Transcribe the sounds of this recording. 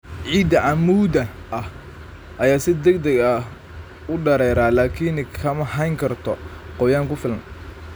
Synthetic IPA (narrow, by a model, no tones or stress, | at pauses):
ʕiːd̪ɐʕamuːd̪ɐʔɐh | ʔɐjaːsɪd̪ɐɡd̪ɐɡɐ | ʊɖɐɾɛːɾaːlaːkʰinkʰɐmɐɦɐjŋkʰɐrt̪ʰɔqɔjaːŋkʊfɪlɐn